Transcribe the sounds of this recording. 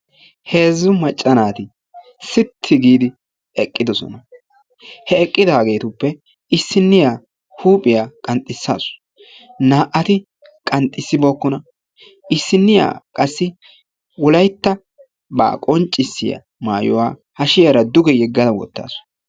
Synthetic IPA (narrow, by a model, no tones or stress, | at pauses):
he̞ːzːʊmɐt͡ʃʼːɐnaːt̪ɪ | sɪt̪ʰːɪɡiːd̪ɪ | ɛkʼːɪd̪ɔsɔ̰nɐ | hɛɛkʼːɪd̪aːɡe̞ːt̪ʊpːɛ | ɪsːɪnːɪjaː | huːpʼɪjaːkʼɐnt̪ʼɪsːa̰ːsʊ̥ | naːʔɐt̪ɪ | kʼɐnt̪ʼːɪsːɪbo̞ːkːɔnɐ | ʔɪsːɪnːɪja̰ːkʼɐsːɪ | wɔlɐjt̪ːɐ | ba̰ːkʼɔnt͡ʃʼːɪsːɪja̰ | maːjɔwaːhɐʃɪjɐɾɐd̪ʊɡɛjɛɡːɐd̪ɐwɔ̰t̪ːa̰ːsʊ̥